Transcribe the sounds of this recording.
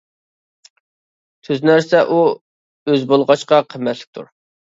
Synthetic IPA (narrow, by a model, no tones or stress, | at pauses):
t̪ʰøznæɾsɛʔu | øzbolˠʁɑʃqɑqʰəmːɛt̪lɪ̥kʲt̪ʰṵɾ